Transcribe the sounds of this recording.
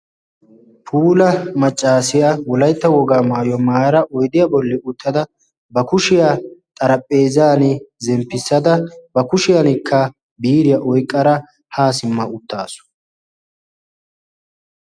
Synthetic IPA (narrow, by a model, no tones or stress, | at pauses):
pʰuːlɐmɐt͡ʃʼːaːsɪjawɔlɐjt̪ːɐwɔɡaːmaːjɔmaːjɐɾɐʔɔjd̪ɪjɐbɔlːɛʔʊt̪ʰːɐd̪ɐ | bɐkʊʃɪjat̪ʼɐɾɐpʼːeːzaːnɪzɛmpːɪsːɐd̪ɐbɐkʊʃɪjɐnɪkʰːɐ | biːɾɪjɐʔɔjkʼːɐɾɐ | haːsɪmːɐʊt̪ːa̰ːsʊ̥